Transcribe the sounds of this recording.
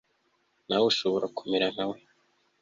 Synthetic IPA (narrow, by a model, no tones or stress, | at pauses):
nawuʃoβoɾʔaku̥meɾan̥awe